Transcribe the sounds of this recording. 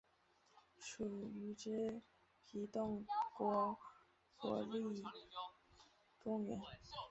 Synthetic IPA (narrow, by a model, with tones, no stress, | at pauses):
ʂu˨˩y˧˥ʈ͡ʂɻ̩˥˩ | t̪ʰi˧˥t̪ʊ˥˩ŋkwɔ˧˥ | kwɔ̰˧˥li˥˩ | ʈ͡ʂʊ˥˩ŋɥɛ̰˧˥n